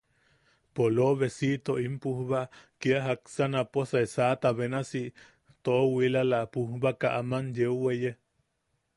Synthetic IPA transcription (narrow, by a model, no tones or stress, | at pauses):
poloβesit̪oʔimpuhβaʔkiaɦaksanaposaesat̪aβenasi | t̪owilalaʔpuhβakaʔamanjeuweje